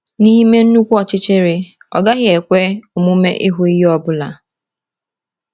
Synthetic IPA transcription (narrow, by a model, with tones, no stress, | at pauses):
ni˦ɦi˦me˦n̩˦nu˦kʷu˦ɔ˨t͡ʃɪ˦t͡ʃɪ˦ɾɪ˨ | ɔ̰˨ɡa˦ɣɪ˦e˨kʷe˦o˨mu˦mḛ˦ʔi˦ɦu˦i˦ji˦ɔ˦bʊ˦la̰˨